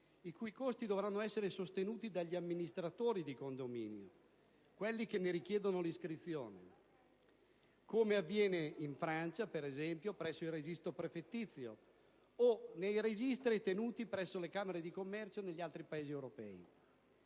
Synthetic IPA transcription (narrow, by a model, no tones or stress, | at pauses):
ikujkost̪id̪ovɾanːoɛsːeɾesost̪enuːt̪id̪aʎːiamːinist̪ɾat̪oːɾid̪ikond̪omḭːnjo̰ | kwelːik̟enːeɾik̟jɛːd̪onoliskɾit̪sːjoːne | koːmeavːjɛːneiɱfɾant͡ʃapeɾezɛmpjopɾɛsːoilred͡ʒist̪ɾopɾefet̪ːit̪sːjo̰ | onejɾed͡ʒist̪ɾit̪enuːt̪ipɾɛsːolekaːmeɾed̪ikomːɛrt͡ʃoneʎːialt̪ɾipaeːziewɾopɛ̰ːḭ